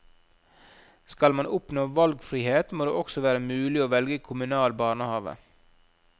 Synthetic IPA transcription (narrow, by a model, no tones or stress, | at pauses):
skɑlmɑnʊpnoːʋɑlɡfɾiːheːt̪moːd̪ḛːɔksɔʋæːɾəmʉːlɪoːʋɛlɡəkʰʊmʉnɑːlbɑːɾɳəhɑːʋə̰